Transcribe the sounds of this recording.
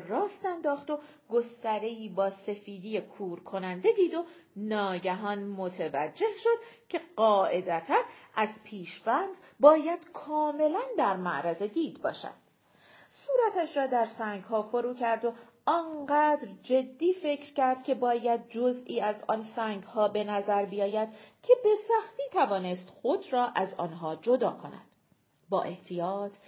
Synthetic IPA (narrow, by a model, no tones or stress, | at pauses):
rɒːst̪ænd̪ɒːxt̪o̞ | ɡo̞st̪æɾe̞iːbɒːse̞fiːd̪ijekʰuːɾkʰo̞nænd̪e̞d̪iːd̪o̞nɒːɟæɦɒːnmot̪ʰevæd͡ʒːe̞hʃo̞d̪̥cʰe̞ɢɒːʔe̞d̪æt̪ʰænʔæzpʰiːʃbænd̪̥bɒːjæd̪̥kʰɒːme̞lænd̪æɾmæʔɾæze̞d̪iːd̪bɒ̰ːʃæ̰d̪̥ | suːɾæt̪ʰæʃɾɒːd̪æɾsæːŋɡɦɒːfo̞ɾuːcʰæɾd̪o̞ | ɒnɢæːd̪ɾd͡ʒe̞d̪ːiːfe̞cʰɾcæɾd̪̥cʲʰe̞bɒːjæd̪̚d͡ʒo̞ziːæzɒ̰nsæːŋɡhɒːbe̞næzæɾbijɒːjæd̪̥cʰe̞be̞sæxt̪iːt̪ʰævɒːne̞st̪xod̪ɾɒːʔæzɒ̰ːnɦɒːd͡ʒo̞d̪ɒːkʰo̞næ̰d̪̥ | bɒ̰ːʔe̞ht̪ʰijɒːt̪ʰ